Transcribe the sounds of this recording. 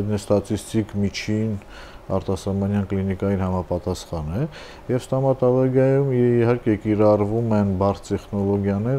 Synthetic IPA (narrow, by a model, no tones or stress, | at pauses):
nɛst̪ɑt͡sʰist̪ikmit͡ʃʰin | ɑ̰ɾt̪ɑsɑmɑnjɑnklinikɑjinhɑmɑpɑt̪ɑsχɑnɛ | jɛvst̪ɑmɑt̪ɑvɑɡjɑjumihɑɾkɛkiɾɑrvumɛnbɑɾʰt̪ɛχnɔlɔɡjɑnɛɾ